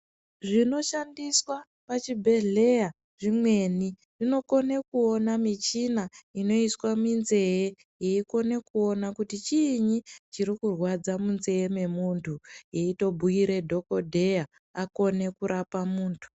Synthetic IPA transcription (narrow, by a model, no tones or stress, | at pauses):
ʐino̞ʃandiswa | pat͡ʃibʱe̞ɮe̞ja | ʐimwe̞ni | ʐino̞ko̞ne̞kuo̞namit͡ʃinaino̞iswaminze̞je | jeiko̞ne̞kuo̞nakutit͡ʃiɲit͡ʃiɾikurwad͡zamunze̞jeme̞muntʰuje̞ito̞bʱuiɾe̞dʱo̞ko̞dʱe̞ja | ako̞ne̞kuɾapamuːntʰu̥